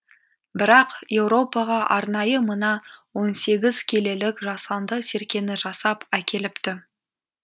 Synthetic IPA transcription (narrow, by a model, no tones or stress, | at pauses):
bɪɾɑqje̞wɾo̞pɑʁɑʔɑɾnɑjəmənɑwo̞nse̞ɡʲɪzkʲʰe̞le̞lɪkʒɑsɑnd̪əse̞ɾkʲe̞nɪʒɑsɑpækʲe̞lɪpt̪ɪ